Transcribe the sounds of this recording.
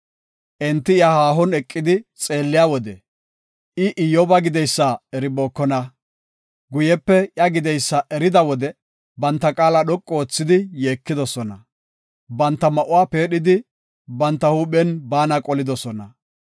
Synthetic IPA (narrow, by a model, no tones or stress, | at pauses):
ʔɛnt̪ːɪjahaːɦɔnɛkʼːɪd̪ɪt͡sʼe̞ːlːɪjaːwɔd̪ɛ | ʔɪʔɪjɔbɐɡɪd̪ɛjsːaɛɾɪboːkːɔnɐ | ɡʊjɛpːɛjɐɡɪd̪ɛjsːaʔɛɾɪd̪ɐwɔd̪ɛ | bɐnt̪ːɐkʼaːlɐɗɔkʼːoːt͡sːɪd̪ɪje̞ːkːɪd̪ɔsɔnɐ | bɐnt̪ːɐmɐʔʊwaːpe̞ːɗɪd̪ɪ | bɐnt̪ːɐhuːɓɛnbaːnɐkʼɔlɪd̪ɔsɔnɐ